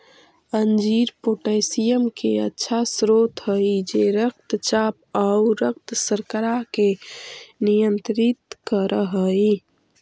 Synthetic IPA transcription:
ənd͡ʒiɾpoʈəsijəmkeə̰tːʃʰasɾot̪ɦəid͡ʒeɾək̚t̪t͡ʃaːp̚auɾək̚t̪səɾkəɾake | nijənt̪ɾit̪kəɾʔəɦəi

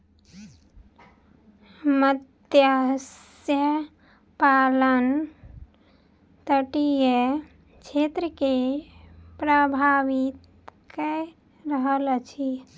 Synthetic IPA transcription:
məd̪jas | jə | palən | t̪əʈijə | t͡ʃʰet̪ɾəke | pɾəbʱaʋit̪ | kɛ | ɾəɦəlt͡ʃʰi

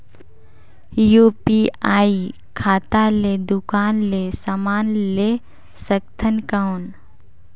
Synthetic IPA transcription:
juːpiaːi | kʰaːt̪aleːd̪ʊkaːnlesamaːnleː | səkt̪ʰənkawn

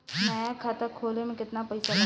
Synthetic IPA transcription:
mɛ̃akʰat̪akʰoːlemẽkɪt̪napɐɪsa

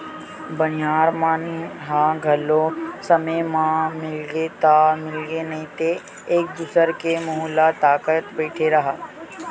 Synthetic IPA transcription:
bənjaːɾmanɦãɡʱɐlosɐməmãmɪlɡet̪amɪlɡenɐɦĩt̪eː | k̚d̪ʊsəɾkemʊɦulat̪aːkət̪bɛːʈʰeɾɐɦaː

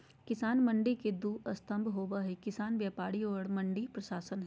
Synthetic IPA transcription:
kɪsaːnmɐ̃ɳɖiked̪uːɐst̪ʰə̃mbʱɦoːbaɦikɪsaːnbjaːpaːɽiɔːɽmɐ̃ɳɖipɾɐʃaːsənɦɛ

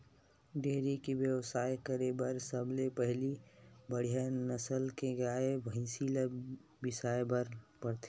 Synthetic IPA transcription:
ɖeːɾikiʋjəʋsaːjkəɾebəɾsəblepɛɦlibəɽ̤ijanəsəlkeɡaːebə̃ɪ̃siːla | bɪsaːebəɾpəɾt̪e

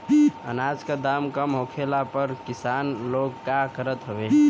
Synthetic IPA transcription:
ə̰nad͡ʒkad̪amkəmɦokʰelapəɾkisanloɡːakəɾət̪ɦobe

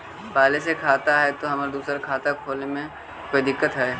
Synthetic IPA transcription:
paːlesekʰaːt̪aɦɛt̪oɦɐmaːɾd̪uːsəɾkʰaːt̪akʰoːlnemẽ | koːid̪ɪkːət̪ɦɛː

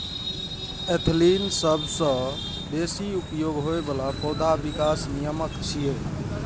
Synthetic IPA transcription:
et̪ʰlinsəbʱsə̃ | b̪esiupjoɡɦoebəlapɔd̪ʱabikasnijəməkt͡ʃʰije

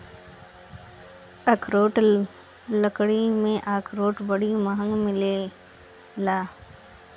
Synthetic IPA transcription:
ɐkʰɾoːʈ | ləkɽimẽʔaːkʰɾoːʈbəɽiməɦə̃ŋɡmɪle | laː

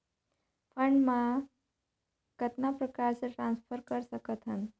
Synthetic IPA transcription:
fʰəɳɖma | kət̪napɾəkaɾt͡seʈɾanspʰəɾkəɾsəkət̪ɦə̰n

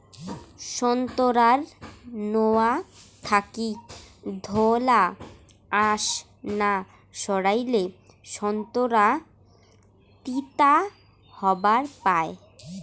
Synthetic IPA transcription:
ʃɔnt̪oɾaɾnoat̪ʰakid̪ʱola | aʃ | na | ʃɔɽajle | ʃɔnt̪oɾa | t̪it̪a | hɔbaɾpae

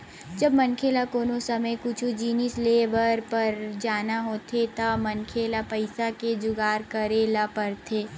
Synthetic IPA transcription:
d͡ʒɐbmɐnkʰeːlakoːnõsɐməjkʊt͡ʃʰud͡ʒiːnisleːbəɾpɐɾd͡ʒaːnaɦoːt̪ʰet̪amɐnkʰeːlapɐɪsaked͡ʒʊɡaːɾkɐɾeːlapɐɾt̪ʰeː

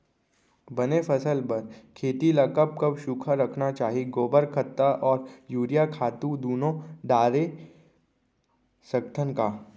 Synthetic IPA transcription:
bɐnepʰɐsəlpɐɾkʰeːt̪ilɐkəp̚kɐbʃuːkʰaɾɐkʰnat͡ʃaːɦiɡoːbəɾkʰət̪ːaʔɔːɾjuːɾijakʰaːt̪ũd̪uːnõɖaːɾe | sɐk̚t̪ʰənkaː

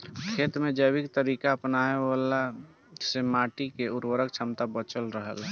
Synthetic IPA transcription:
kʰeːt̪mẽd͡ʒəbɪkt̪əɾiːkaəpnaeala | semaːʈikeʊɾwəɾəkt͡ʃʰəmt̪abət͡ʃəlɾəɦə̰l

